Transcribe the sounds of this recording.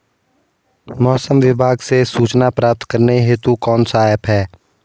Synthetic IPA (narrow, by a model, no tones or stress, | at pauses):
mɔːsəmʋɪbʱaːɡsesuːt͡ʃnapɾaːp̚t̪kəɾneɦeːt̪ukɔːnsaːəpɦɛː